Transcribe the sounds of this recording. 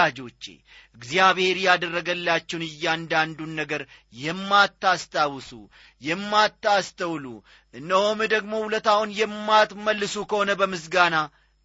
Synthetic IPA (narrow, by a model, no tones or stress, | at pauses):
ad͡ʒo̞t͡ʃːḛ | ɨɡzjaβhe̞ɾijad̪ərːəɡəlːat͡ʃːɛwnɨjːand̪and̪unːəɡəɾjɛmːat̪ːast̪ʰʼawsṵ | jɛmːat̪ːast̪əwlṵ | ʔɨnːəho̞mɨd̪əɡmo̞hulət̪ahunjɛmːat̪məlːɨsukʰəho̞nəbəmɨs̬ɡana